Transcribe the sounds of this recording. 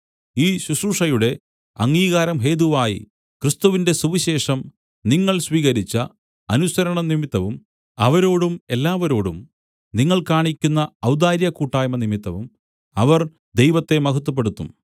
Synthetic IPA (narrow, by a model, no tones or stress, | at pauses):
iːɕuɕuːʂɐjuɽe̞ | ɐŋɡiːɣaːɾɐmɦe̞ːðuʋaːjḭ | krɨst̪uʋinde̞suʋiɕe̞ːʂɐm | niŋːɐɭsʋiːɣɐɾit͡ɕːɐ | ɐnusɐɾɐɳɐnimit̪ːɐʋum | ɐʋɐɾo̞ːɽume̞lːaːʋɐɾo̞ːɽum | niŋːɐɭkaːɳikʲːunːɐɐwd̪aːɾjɐkuːʈːaːjmɐnimit̪ːɐʋum | ɐʋɐr | d̪e̞jʋɐt̪ːe̞mɐɦut̪ːup̬ːeɽut̪ːum